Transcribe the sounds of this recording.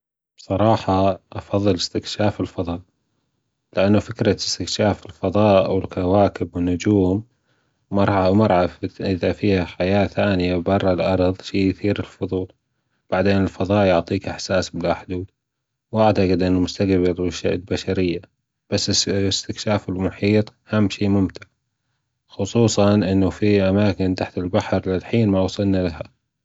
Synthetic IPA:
b̥sˤɑɾˤɑːħɑʔɑfɑðˤːɨlɪst̪ɪkʃaːfɪlfɑðˤɑːʔ | lɪʔanːʊfɪkɾɑst̪ɪkʃaːfɪlfɑðˤɑːʔwɪlkawaːkɪbwɪnːʊd͡ʒuːmː | ɑɾˤʕɑwmɑɾˤʕafʔɪðafiːhaħajaːθaːnɪjabɑrˤːɑlʔɑɾˤðˤʃiːjθiːɾɪlfʊðˤuːl | b̥aʕd̪eːnɪlfɑðˤɑːʔjʊʕt̪ˤiːkʔɪħsaːsbɪlaħd̪uːd̪ | wʔaʕt̪aqɪd̪ʔɪnːumʊst̪aɡbɪɾwɪʃʔbaʃaɾɪjːa | b̥asːɪɪst̪ɪkʃaːfɪlmʊħiːt̪ˤhamːʃiːmʊmt̪ɪʕ | xʊsˤuːsˤɑnʔɪnːufiʔamaːkɪnt̪aħt̪ɪlbaħɾlɪlħiːnmawsˤɨlnalaha

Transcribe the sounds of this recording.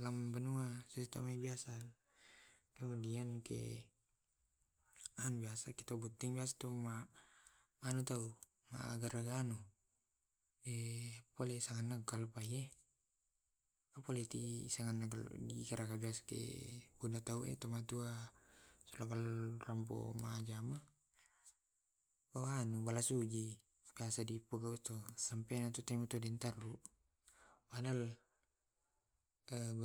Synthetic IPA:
lambanuasist̪a̰mabiasa | kamudiankɛ̰ | anbiasakɛt̪aubut̪iŋbiasḁt̪uma | manut̪au | ma̰ʔɡaɾaɡanu | ɛpɔlɛsaŋanːakkalupaiɛ | apɔlɛt̪isaŋanːakal̰ɡikaɾakabiaskḛbunat̪auɛ̰t̪ɔmat̪ua | sulakalramp̬o̰mad͡ʒama | bawanubalasud͡ʒi | kiasadipuɡaust̪ɔsampenat̪ut̪amut̪ɔdɛnt̪aruʔ | badal | ə

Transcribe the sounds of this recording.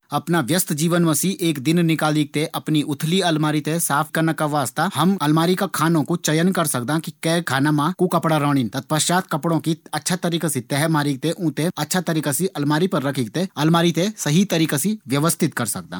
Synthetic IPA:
ɐpnaʋjɐst̪ʰd͡ʒiːʋənmɐsiʔeːkd̪ɪnnɪkaːliɡ̚t̪eʔɐpniʊt̪ʰliɐlmaːɾit̪esaːpʰkːɐɾnakːaʋaːst̪ahɐmɐlmaːɾikakʰaːnõkut͡ʃɐjənkɐɾsɐkd̪akikɛːkʰaːnamãkukɐpɽaɾəːɽ̃int̪ɐt̪̚pɐt͡ʃaːt̪̚kɐpɽõkiɐtːʃʰat̪ɐɾiːkasit̪ɛɦɛmaːɾiːɡ̚t̪eʔũːt̪eɐtːʃʰat̪ɐɾiːkasiʔɐlmaːɾipɐɾːɐkʰiːk̚t̪eɐlmaːɾit̪esɐɦit̪ɐɾiːkasiʋjɐʋəst̪ʰɪt̪kɐɾsɐk̚d̪a̰ː

